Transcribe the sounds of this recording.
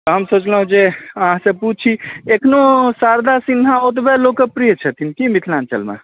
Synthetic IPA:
ɔɦəmsot͡ʃləɦũd͡ʒeəɦãsə̃put͡ʃʰt͡ʃʰiekʰnosaɾd̪asinɦaot̪bɛlokːepɾijət͡ʃʰət̪inkimit̪ʰlant͡ʃə̰lmḛ

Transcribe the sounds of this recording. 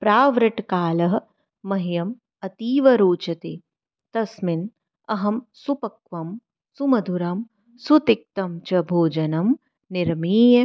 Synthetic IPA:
pɾaːʋɾɪʈkaːlɐɦ̆ː | ɐɦijɐm | ɐt̪iːʋɐɾoːt͡ʃɐt̪eː | t̪ɐsmɪn | ɐɦɐmsupɐkʋɐm | sumɐd̪ʱuɾɐm | sut̪ɪk̚t̪ɐmt͡ʃɐbʱoːd͡ʒɐnɐm | nɪɾmiːjɐ

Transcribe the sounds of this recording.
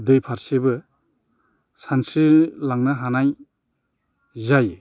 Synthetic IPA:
d̪ɯjpʰaɾsebɯ | sansilaŋnaɦanaj | zaj

